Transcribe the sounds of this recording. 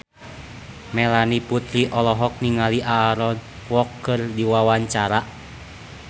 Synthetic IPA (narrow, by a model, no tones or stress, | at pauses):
mɛlaniput̪ɾiʔɔlɔɦɔk̚niŋaliʔaːɾɔn | wɔkːɨrdiwawaɲt͡ʃaɾa